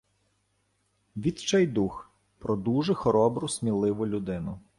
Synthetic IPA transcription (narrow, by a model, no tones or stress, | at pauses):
ʋʲid̪t͡ʃɛjd̪ux | pɾɔd̪uʒɛxɔɾɔbɾʊsʲmʲilˠɪʋʊlʲʊd̪ɪnʊ